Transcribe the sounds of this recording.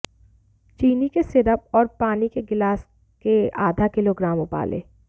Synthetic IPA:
t͡ʃiːnikesɪɾəp̚ɔːɾpaːnikeɡɪlaːs | keaːd̪ʱakɪloɡɾaːmʊpa̰ːlḛː

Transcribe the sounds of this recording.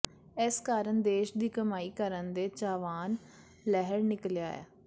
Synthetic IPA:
ɪskaːɾənd̪eːʃd̪iːkəmaːiːkəɾənd̪eːt͡ʃaːʋaːn | lɛɦəɾnɪkljaːɛ̰ː

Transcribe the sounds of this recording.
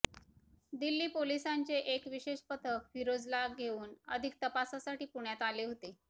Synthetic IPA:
d̪ilːiːpolisant͡seʔekʋiɕeɕpət̪ʰəkʋiɾod͡zlaɡʱeuːnəd̪ʱik̚t̪əpasasaʈiːpuɳjat̪aleɦot̪e

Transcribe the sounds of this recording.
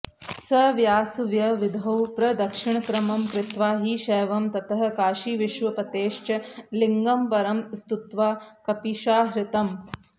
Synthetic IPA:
sɐʋjaːsuʋjɐʋid̪ʱɐwpɾɐd̪ɐkʂɪɳɐkɾɐmɐmkɾɪt̪ʋaːɦiʃɛːʋɐmt̪ɐt̪ɐɦɐ̆kaːʃiʋiʃʋɐpɐt̪eːʃt͡ʃɐliŋɡɐmpɐɾɐmst̪ut̪ʋaːkɐpiʃaːɦɾɪt̪ɐm

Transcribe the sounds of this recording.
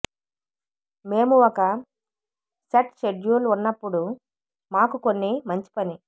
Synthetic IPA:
me̞ːmuɔkɐ | ʃɐʈʃeɖjuːlunːɐpːuɽu | maːkuko̞nːimɐɲt͡ʃi̥pɐni

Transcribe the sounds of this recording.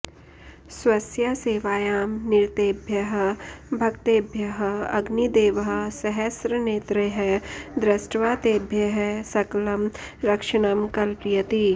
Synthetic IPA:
swɐsjaseːʋaːjaːmnɪɾt̪eːbʱjɐɦə̆bʱɐkt̪eːbʱjɐɦ̆ɐɡnid̪eːʋəɦ̆sɐɦɐsɾəneːt̪ɾəɦɐd̪ɾɐsʈʋaːt̪eːbʱjɐɦɛsɐklɐmɾɐkʃɐɽ̃ɐmkɐlpɾɪjɐt̪i

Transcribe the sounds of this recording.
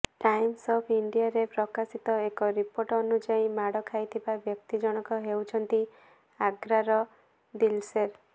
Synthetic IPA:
ʈajmsɔpʰiɳɖijaɾepɾɔkasit̪ɔekɔɾipoɾʈɔnud͡ʒajmaɽɔkʰajt̪ʰibabjɔk̚t̪id͡ʒɔɽ̃ɔkɔɦewt͡ʃʰɔnt̪i | aɡɾaɾɔ | d̪ilseɾ

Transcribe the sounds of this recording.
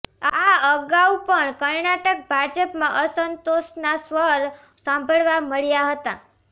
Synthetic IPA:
aəɡaupəɳkəɾnaʈək̚bʱad͡ʒəpmãʔəsənt̪oʃnasʋəɾ | sãmbʱəɭʋaməɭjaɦət̪a

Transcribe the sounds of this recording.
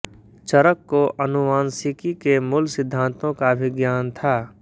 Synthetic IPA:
t͡ʃəɾəkːoʔɐnʊʋaːnsɪkikemʊlsɪd̪ʱːãːnt̪õkabʱiɡjaːnt̪ʰaː

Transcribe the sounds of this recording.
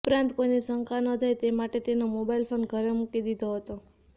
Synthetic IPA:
upɾãnt̪koinisəŋkanəd͡ʒʱajt̪emaʈet̪enomobailfʰonɡʱəɾemukid̪id̪ʱoɦət̪o

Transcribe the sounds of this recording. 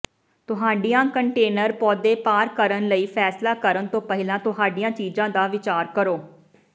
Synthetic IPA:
t̪ʊɦaːɖijãːkəɳʈeːnəɾpɔːd̪eːpaːɾkəɾənləiːfʰɛːslaːkəɾənt̪õːpɛɦɪlãːt̪ʊɦaːɖijãːt͡ʃiːd͡ʒãːd̪aːʋɪt͡ʃaːɾkəɾoː

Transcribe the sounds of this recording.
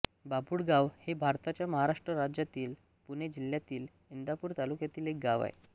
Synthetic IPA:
bapuːɽɡaʋhebʱaɾt̪at͡ɕjaməɦaɾaʂʈɾəɾad͡ʑjat̪iːl | puned͡ʑiljat̪iːl | ind̪apuːɾt̪alukjat̪iːlek̚ɡaʋa̰ḛ

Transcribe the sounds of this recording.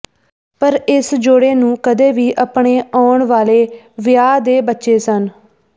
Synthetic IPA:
pəɾɪsd͡ʒoɽeːnũːkəd̪eːʋiːʔəpɳeːaːʊɳʋaːleː | ʋɪjaːd̪eːbətːʃeːsən

